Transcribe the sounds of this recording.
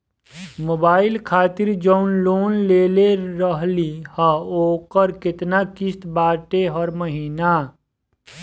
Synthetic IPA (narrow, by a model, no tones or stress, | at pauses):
moːbaːɪlkʰaːt̪ɪɾd͡ʒəʊnloːnleːleɾəɦlihəoːkəɾkɪt̪nakɪst̪baːʈeɦəɾməɦiːna